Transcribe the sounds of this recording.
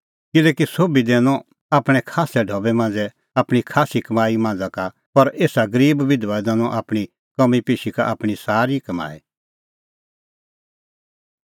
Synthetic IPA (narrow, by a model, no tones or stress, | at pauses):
kɪlɛːkisoːbid̪eːnɔ̃ | aːpɽ̃ɛkʰaːsɛɖʱɔːbɛmãːnd͡zɛ | apɽ̃ikʰaːsikɐmaːimãːnd͡zaka | pɐɾeːsaɡɐɾiːbʋɪd̪ʋad̪ɛːñɔ̃ʔaːpɽ̃i | kɐmipeːʃika̰ʔapɽ̃isaːɾikɐma̰ːi